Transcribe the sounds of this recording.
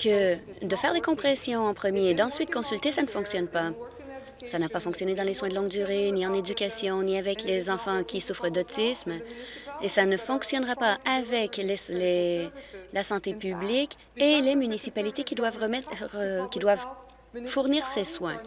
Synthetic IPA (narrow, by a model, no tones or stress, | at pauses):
kəd̪əfɛːʁd̪ekɔ̃pχɛsjɔ̃ɑ̃pχəmjed̪ɑ̃sɥit̪kɔ̃sylt̪esanəfɔ̃ksjɔnpa | sanapafɔ̃ksjɔned̪ɑ̃leswɛ̃d̪əlɔ̃ŋɡd̪yʁeniɑ̃ned̪ykʲasjɔ̃niavɛklezɑ̃fɑ̃kʲisufχəd̪ɔt̪ʰism | esanəfɔ̃ksjɔnʁapaʔavɛklesle | lasɑ̃t̪epyblik | elemynisipalit̪ekʲid̪wavʁəmɛtʁəkʲid̪wav | fuʁniːʁseswɛ̃